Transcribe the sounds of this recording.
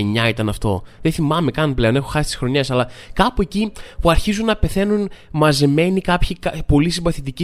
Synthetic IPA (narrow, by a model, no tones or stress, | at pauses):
eɲɐit̪ɐnɐft̪o̞̰ðeθimɐme̞kɐnple̞one̞xo̞xɐsi̥t̪i̥sɾo̞ɲesɐlɐkɐpuecipuɐɾçizunːɐpe̞θe̞nunmɐze̞me̞nikɐpçikɐpo̞lisimbɐθit̪ici